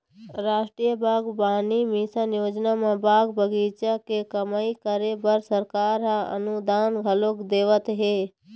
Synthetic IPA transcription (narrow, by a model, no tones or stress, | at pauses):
ɾaːʃʈɾijəbʱaːɡbaːnimiːsanjoːd͡ʒnamãbaːɡbʱəɡiːt͡ʃakekɐmaːikəɾebəɾsəɾkaːɾɦaɐ̰nud̪aːnɡʱɐlokd̪eːʋət̪ɦeː